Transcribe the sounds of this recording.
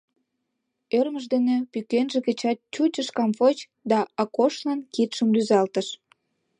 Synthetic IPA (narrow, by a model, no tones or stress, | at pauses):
ørməʒd̪enĕpykenʒĕkĕt͡ɕɑt̪̚t͡ɕut͡ɕəʃkɑmfot͡ɕ | d̪ɑɑkoʃlɑnkit̪ʃəmlyzɑlt̪əʃ